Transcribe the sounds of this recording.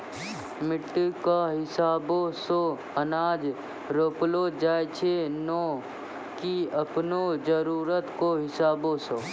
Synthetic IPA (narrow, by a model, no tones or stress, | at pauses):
mɪʈːkaɦɪsaːboso | ənaːd͡ʒ | ɾoːplod͡ʒaːjt͡ʃʰenɔː | kiəpnod͡ʒəɾuːɾət̪koɦɪsaːbosoː